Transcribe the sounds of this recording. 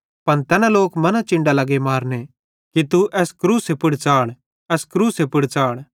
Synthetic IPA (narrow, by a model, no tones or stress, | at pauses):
pɐnt̪ɛːnãloːkmɐnãt͡ʃɪ̃ɳɖalɐɡemaːɾne | kit̪uʔɛːskɾuːsepɪɽt͡ʃaːɽ | ɛːskɾuːsepɪɽt͡ʃaːɽ